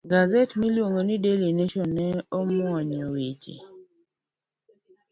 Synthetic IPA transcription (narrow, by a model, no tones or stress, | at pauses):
ɡazɛtmilwoŋonidelineʃɔnːɛɔmwɔɲɔwet͡ʃḭ